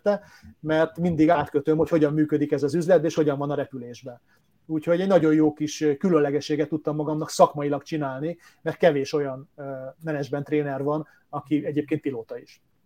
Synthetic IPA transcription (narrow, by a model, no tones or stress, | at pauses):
t̪ɛ | mɛrt̪mind̪iɡaːt̪køt̪ømho̞cho̞ɟɒmːyːkød̪ikɛzɒzyzlɛd̪bɛeːʃho̞ɟɒɱvɒnɒɾɛpyleːʒbɛn | uːcho̞ɟɛɟnɒɟo̞jjoːkiʃkylønlɛɡɛʃːeːɡɛt̪ːut̪ːɒmːɒɡɒmnɒksɒkmɒjilɒkt͡ʃinaːlni | mɛrt̪̚kɛveːʃo̞jɒnmɛnɛd͡ʒbɛnt̪ːreːnɛrvɒn | ɒkiɛɟeːp̚keːnt̪piloːt̪ɒiʃ